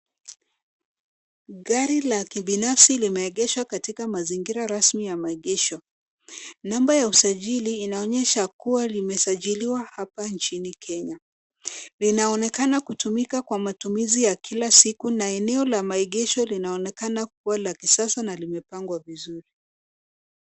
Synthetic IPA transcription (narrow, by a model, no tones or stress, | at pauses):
ɠaɾilakiɓinafsilimɛːɠɛʃwakatikamaziŋɡiɾaɾasmijamaɛɠɛʃɔ | nambajausaʄiliːnaɔɲɛʃakuwalimɛsaʄiliwahapant͡ʃinikʰɛɲa | linaɔnɛkanakutumikakwamatumizijakʰilasikunaɛnɛɔlamaɛɠɛʃɔlinaɔnɛkanak̚uwalakisasanalimɛpaŋɡwavizuɾi